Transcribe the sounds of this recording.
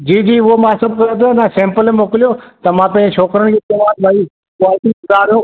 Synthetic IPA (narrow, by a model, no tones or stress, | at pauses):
d͡ʑiːd͡ʑiːʊɦomãːsɐbʱkɐɾẽt̪ʰːãnãsɛ̃ːmpəlẽmoːkɪlijot̪ɐmãpɐ̃ɲd͡ʑeʃʰoːkɾənɪ̆kʰeːt̪eʋaːnbʱai | kaːt̪iʊzaːɾjoː